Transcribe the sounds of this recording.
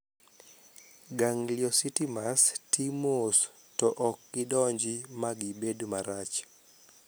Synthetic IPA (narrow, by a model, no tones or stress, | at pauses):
ɡaŋljɔsitimastʰimos | tɔʔɔkːɪdɔɲd͡ʒimaɡibedumaɾat͡ʃ